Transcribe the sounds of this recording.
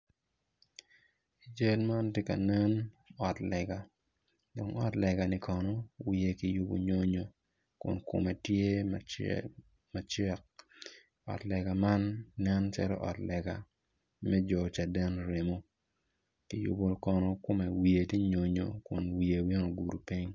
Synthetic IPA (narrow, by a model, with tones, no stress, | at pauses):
i˨d͡ʒe˦lma˦nti˦ka̰˨nɛ˦n | ɔ˨tlɛ˨ɡa˨ | do˨ŋɔ˦tlɛ˨ɡa˨nɪ˦kɔ˨nɔ˦wi˨e˨ki˨ju˦bo̰˨ɲo˦ɲo˨ | kʊ̰˨nkʊ̰˨me˨tje˦ma˨ | ma˨t͡ʃɛ˦k̚ | ɔ̰˨tlɛ˨ɡa˨ma˦nːɛ˦nt͡ʃa̰˦lɔ̰˦ʔɔ̰˨tlɛ˨ɡa˨ | mɛ˦d͡ʒɔ˨t͡ʃa˨dɛ˦nɾe˨mo˦ | ki˦jʊ̰˨˦bo˦kɔ˨nɔ˦kʊ˦me˨wi˨e˨ti˦ɲo˨ɲo̰˨kʊ˨nwi˨e˨wi˦ŋo˨ɡu˨ɾu˨pi˦ɲ